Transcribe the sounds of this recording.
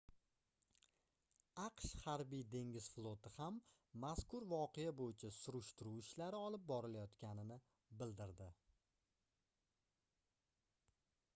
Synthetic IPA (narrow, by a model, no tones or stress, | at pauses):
ɑqʃhaɾbijd̪e̞ŋɡʲɪz̥flˠot̪ɪhamː | askʊɾvɒqʰejabojɪt͡ʃʰasʊɾʊʃt̪ʊɾuwɪʃlaɾɪɒlˠɪp̚bɒɾɪlajɒt̪kʲanɪnɪ | bɪld̪ɪɾd̪ɪ